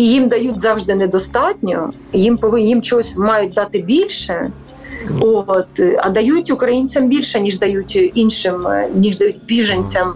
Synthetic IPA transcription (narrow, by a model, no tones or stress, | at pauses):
ijimd̪ɐjutʲzɑwʒd̪ɪnɛd̪ɔst̪ɑtʲnʲɔ | jimpɔʋɪjimt͡ʃɔɦɔsʲmɑjʊt̚ʲd̪ɑt̪ɪbʲilʲʃɛ | ot̪ɐ̰d̪ɐjutʲʊkɾɐjinʲt͡sʲɐmbʲilʲʃɛnʲiʒd̪ɐjutʲinʃɪmnʲiʒd̪ɐjut̚ʲbʲiʒenʲt͡sʲɐm